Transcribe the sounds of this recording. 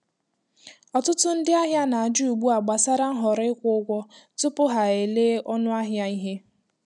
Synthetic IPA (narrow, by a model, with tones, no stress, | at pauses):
ɔ˨tʊ˦tʊ˦n̩˦dɪ˦a˦ɦja˦na˨a˨d͡ʒu˦˨ɡ͡bu˦a˨ɡ͡ba˨sa˦ɾa˦n̩˦ɦɔ˨ɾɪ˦kʷʊ˦ʊ˦ɡʷɔ˦tʊ˦pʊ˦ɦa˨e˨le˦ɔ˦nʊ˦a˦ɦja˦i˦ɦe˦